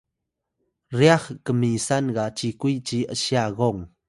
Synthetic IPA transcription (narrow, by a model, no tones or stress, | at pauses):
riaxkəmisanɣat͡ʃikujt͡ɕiʔəsiaɣɔŋ